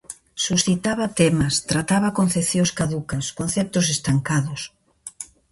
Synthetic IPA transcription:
susθit̪aβɐt̪ɛmɐst̪ɾat̪aβɐkon̟θeθjõskaðukɐskon̟θɛp̚t̪ʊsest̪aŋkaðʊs

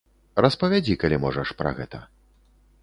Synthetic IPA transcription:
rɐspɐvʲad͡zʲikalʲimɔʐɐʂpɾɐ̰ɣɛt̪ɐ

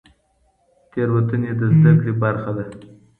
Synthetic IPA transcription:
t̪eɾwat̪əned̪əzd̪akɽebaɾxad̪a

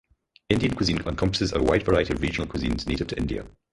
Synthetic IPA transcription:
ɪ̃ndiə̃nkʰwɪzĩnə̃nkʰʌ̃mpə̥sɪzə̰waɪdvəɹaɪətiəvɹid͡ʒənəl̩ˠkʰwɪzḭ̃nz̥netɪv̥tʰəʔɪ̃ndiə̰

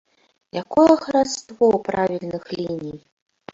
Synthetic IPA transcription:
jakɔɐxɾast̪vɔwpɾavʲilʲnɨxlʲinʲij

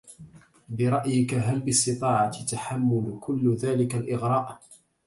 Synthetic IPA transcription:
bɪɾˤɑʔjɪkaɦalbɪsˤt̪ɨt̪ˤɑːʕɑt̪t̪aħamːʊlkʊlːðaːlɪkalʔɪɣɾˤɑːʔ

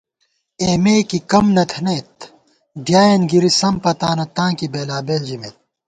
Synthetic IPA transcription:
eːmeːkikɐmnɐt̪ʰnet̪ | ɖjaːjɐnɡiɾisɐmpɐt̪aːnɐt̪ãːkibeːlaːbeːld͡ʑimḛt̪̚

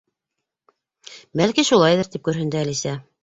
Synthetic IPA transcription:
bælkiʃulˠɑjðɤɾt̪ip̚kʉɾɦɘ̆nd̪ɘælisæ

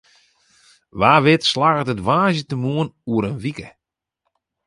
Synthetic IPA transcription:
ʋaːʋɪtslaɣətətʋaːzətəmuənuəɾənʋikə

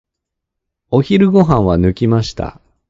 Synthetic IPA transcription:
o̞çiɾɯ̟ɡo̞ɦãɰ̃βanɯ̟kʲimaɕi̥t̪a̰

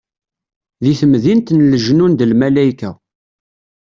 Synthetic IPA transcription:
ðiθəmðint̪nləʒnund̪əlmælæjkæ

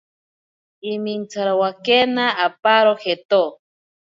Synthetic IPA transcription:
imint͡saɾawakenaːpaɾoxet̪o

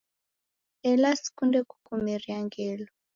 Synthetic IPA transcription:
ɛlasi̥kundɛku̥kumɛɾiaŋɡɛlɔ

